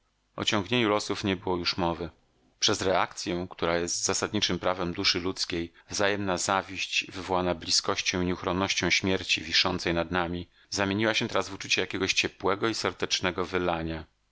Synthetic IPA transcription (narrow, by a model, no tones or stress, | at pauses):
ɔ̰t͡ɕɔ̃ŋɡɲeɲulɔsufɲɛbɘwɔjuʂmɔvɘ | pʂɛzɾɛa̰k̚t̪sʲjɛ̃kt̪uɾajɛst̪z̥asad̪ɲit͡ʂɘmpɾavɛmd̪uʂɘlut̪skʲejvzajɛmnazavʲiɕt͡ɕvɘvɔwanablʲiskɔɕt͡ɕɔ̃w̃iɲɛuxɾɔnːɔɕt͡ɕɔ̃w̃ɕmʲjɛɾt͡ɕivʲiʂɔnt̪sɛjnad̪namʲi | zamʲeɲiwaɕɛt̪ɛɾazvut͡ʂut͡ɕɛjakʲeɛɡɔɕt͡ɕɛpwɛɡɔisɛɾd̪ɛt͡ʂnɛɡɔvɘlaɲa